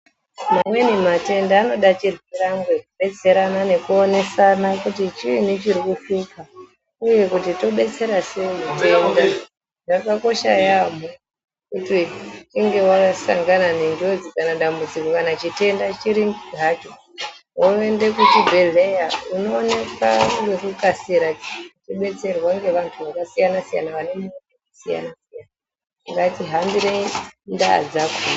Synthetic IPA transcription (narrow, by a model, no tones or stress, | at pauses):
mamwe̞nemate̞ndaːno̞ɗat͡ʃirwiɾamɡekuɓe̞t͡se̞ɾanane̞kuone̞sanakutit͡ʃiinit͡ʃiɾikuʃupa | uje̞kutito̞ɓe̞t͡se̞ɾaseimite̞nda | ʐakako̞ʃajamo | kutit͡ʃiŋɡe̞wakasa̰ŋɡananindod͡zikanaɗambud͡zikokanat͡ʃite̞ndat͡ʃiɾiŋiɦat͡ʃo | woende̞kutibʱelejauno̞ːnekaŋɡerukasiɾat͡ʃiɓe̞t͡se̞rwaŋɡe̞ʋantʰuʋakasijanasija̰naʋanemuekusija̰nasijana | ŋɡatiɦambiɾenda̰d͡zakun